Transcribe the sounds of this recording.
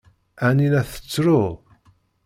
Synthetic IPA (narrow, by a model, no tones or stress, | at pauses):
ænilæθə̥t͡sːɾʊ